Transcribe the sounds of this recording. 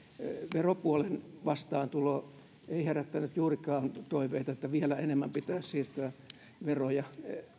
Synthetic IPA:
ʋeropuolenʋɑst̪ɑːnt̪uloː | eiheræt̪ːænyt̪juːrikɑːnt̪oiʋeit̪ɑet̪ːæʋielæenemːæmpit̪æːssiːrt̪øː | ʋerojɑ

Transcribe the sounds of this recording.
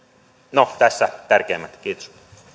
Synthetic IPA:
not̪ɛsːɛt̪ɛrkɛːmɛt̪keːt̪ʃu̥t̪

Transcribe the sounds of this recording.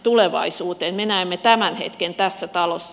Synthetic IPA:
t̪uleʋɑ̰isuːt̪eːnmenæemːet̪æmænhḛt̪kent̪æsːæt̪ɑlo̰sː

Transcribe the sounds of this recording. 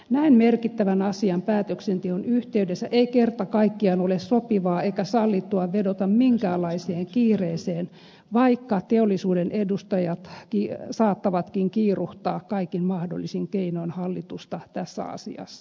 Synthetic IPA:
næimmerkit̪ːæʋænɑsiɑmpæːt̪øksent̪ehonyht̪eydesːæʔeikert̪ɑkɑikːiɑnolessopiʋɑːeikæsɑlːit̪ːuɑʋedot̪ɑmmiŋkæːlːˑɑiseːŋkiːreːseːn | ʋɑikːɑt̪eolːisuːdenʔedust̪ɑjɑt̪kisɑːt̪ːɑʋɑt̪kiŋkiːruht̪ɑːkkɑikinmɑhdo̰lːisiŋkeinoinhɑlːit̪ust̪ɑt̪æsːæ̰ɑ̰sḭɑ̰sːɑ̥

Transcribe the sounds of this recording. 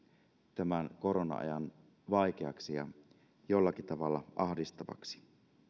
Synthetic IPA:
t̪æmænkoɾonɑ̰ɑ̰jɑn | ʋɑik̟eɑksijɑ̰ | jolːɑkit̪ɑʋɑlːɑʔɑhdist̪ɑʋɑ̰ksi̥

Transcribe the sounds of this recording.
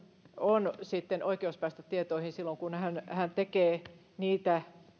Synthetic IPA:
onsit̪ːenʔoikeuspæˑist̪æt̪iet̪oihinsilːoŋkunhænhænt̪ekeː | niːt̪æ

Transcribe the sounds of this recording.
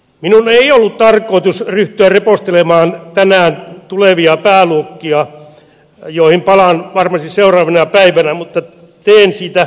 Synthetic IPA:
minuneiolːut̪t̪ɑrkˑoˑit̪usryht̪yærrepost̪elemɑːnt̪ænæːnt̪uleʋiɑpæːluokːiɑ | joˑihimpɑlɑnʋɑrmɑst̪isseurɑːʋenɑpæiʋænæmut̪ːɑ | t̪eːnsiːt̪æ

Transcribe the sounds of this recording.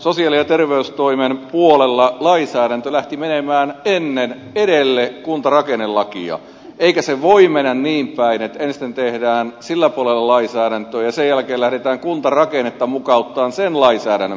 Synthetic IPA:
sosiɑlijɑt̪erʋeyst̪oimempuolelːɑlɑisæːɾænt̪ølæht̪imenemæːnenːen | eɾelːekunt̪ɑrɑkenellɑkḭɑ̰ | eikæseʋoimenːænniːmpæinet̪enst̪ent̪ehdæːnsilːæpuolelːɑlɑisæːɾænt̪øːjɑsejælkeːlæhɾet̪æːŋkunt̪ɑrɑkenet̪ːɑmukɑut̪ːɑːnsenlɑisæːɾænːø

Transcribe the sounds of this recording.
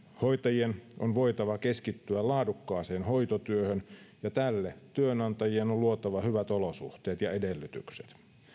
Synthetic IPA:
hojt̪ɑjienonʋo̞jt̪ɑʋɑke̞skit̪ːyælɑːdukːɑːse̞ːnho̞jt̪ot̪yøhønjɑt̪ælːet̪yønɑnt̪ɑjienolluot̪ɑʋɑhyʋæt̪olosṵht̪eːt̪jɑedelːyt̪y̰kset̪

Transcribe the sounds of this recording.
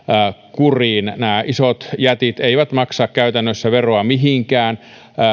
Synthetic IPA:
kuriːnnæːʔisot̪jæt̪it̪eiʋæt̪mɑksɑːkkæyt̪ænːøsːæʋeroɑmiɦiŋkæːnː

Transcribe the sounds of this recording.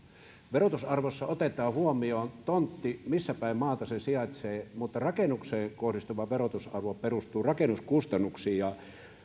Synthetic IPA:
ʋerot̪usɑrʋosːɑot̪et̪ˑɑːhuomioːnt̪ont̪ːimisːæpæˑimmɑːt̪ɑsesiɑt̪seːmut̪ːɑrɑkenukseːŋkohrist̪uʋɑʋerot̪usɑ̰rʋoperust̪ˑuːrɑkenuskust̪ɑnːuksiːjɑ

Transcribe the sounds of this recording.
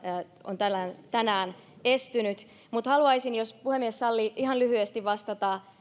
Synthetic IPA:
ont̪ænæːnt̪ænæːnest̪ynyt̪ | mut̪hɑluɑisinjospuhemːiessɑlːiːʔiɦɑnlyhyest̪iʋʋɑst̪ɑt̪ɑː

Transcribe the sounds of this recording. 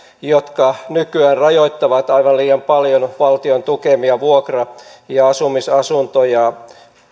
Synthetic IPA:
jot̪kɑnykyæːnrɑjoit̪ːɑʋɑt̪ɑiʋɑnliːjɑmpɑljonʋɑlt̪iont̪ukemiɑʋuokrɑjɑɑsumisɑsunt̪ojɑ

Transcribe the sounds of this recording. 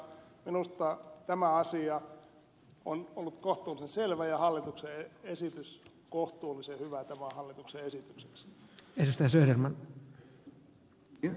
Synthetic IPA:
minust̪ɑt̪æmæɑsiɑ | onolːut̪koht̪uːlisenselʋæjɑhɑlːit̪ukseeesit̪ys | koht̪uːlisehyʋæt̪æmæhɑlːit̪ukseesit̪ykse̥ksedust̪ɑjɑsøːd̪ermɑn

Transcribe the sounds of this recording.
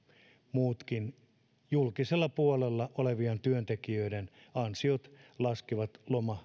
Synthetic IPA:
muːt̪kin | julkiselːɑpuolelːɑʔoleʋiɑnt̪yønt̪ekiøidenɑnsiot̪lɑskiʋɑt̪lomɑ

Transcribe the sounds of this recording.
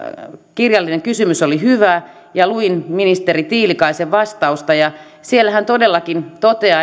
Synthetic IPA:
kirjɑlːineŋkysymysolihyʋæ | jɑluinminist̪erit̪iːlikɑiseʋʋɑst̪ɑust̪ɑjɑ | sielːæhænt̪odelːɑkint̪ot̪eɑ

